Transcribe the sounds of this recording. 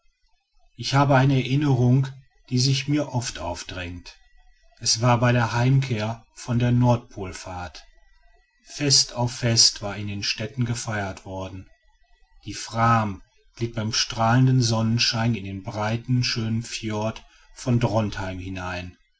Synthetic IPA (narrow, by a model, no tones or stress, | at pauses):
ʔɪçhaːbəaɪnəɛɐʔɪnəʁʊŋ | d̥iːzɪçmiːɐʔɔftʔaʊfd̥ʁɛŋt | ʔɛsv̥aːɐbaɪdeːɐhaɪmkʰeːɐ | fɔndeːɐnɔɐt̚pʰoːlfaːɐt | fɛstaʊfːɛstv̥aːɐɪndeːnʃtɛtn̩ɡəfaɪɐtv̥ɔɐdn̩ | d̥iːfʁ̥aːm | ɡ̥lɪt̚b̥aɪmʃtʁ̥aːləndən̩zɔnənʃaɪnɪndeːnbʁaɪtn̩ʃøːnənfjɔɐt | fɔndʁɔnthaɪmhɪnaɪn